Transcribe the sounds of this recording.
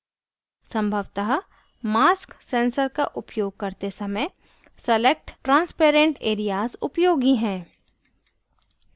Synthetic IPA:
sɐ̃mbʱəʋt̪aɦ | maːsksẽːnsəɾkaʔʊpjoːɡ̚kɐɾt̪esɐməj | sɐlek̚ʈʈɾãːnspeːɾẽɳʈeːɾijaːzʊpjoːɡiɦɛ̃ː

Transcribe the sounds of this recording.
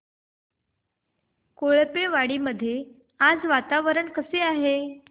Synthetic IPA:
koɭpeʋaɽiːməd̪ʱːje | ad͡zʋat̪aʋəɾəɳkəseaɦe

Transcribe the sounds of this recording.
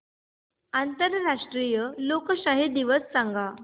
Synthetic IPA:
ant̪əɾɾaʂʈɾijəlokəɕaɦed̪iʋəsːaŋɡa

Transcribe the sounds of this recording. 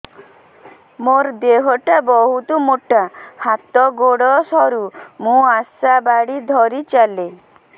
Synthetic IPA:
moɾd̪eɦɔʈabɔɦut̪ɔmoʈahat̪ɔɡoɽɔsɔɾumũasabaɽid̪ʱɔɾit͡ʃale

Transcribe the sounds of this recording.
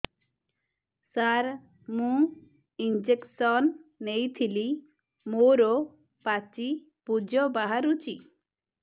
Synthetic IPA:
saɾ | mũ | ind͡ʒeksɔnːejt̪ʰili | moɾɔ | pat͡ʃi | pud͡ʒɔbaɦaɾut͡ʃi

